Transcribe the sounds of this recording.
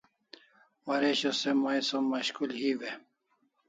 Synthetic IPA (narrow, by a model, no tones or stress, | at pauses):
wɐɾeɕosemajsomɐɕkulhiwe